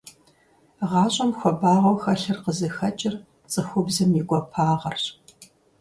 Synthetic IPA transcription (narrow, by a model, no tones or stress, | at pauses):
ʁɑːɕʼɐmxʷɔbaːʁɐwxɐɬɨrqəzɨxɐt͡ʃʼɪr | t͡sʼɨxʷʊbzɐmjɪɡʷʼɔpʰaːʁɐrɕ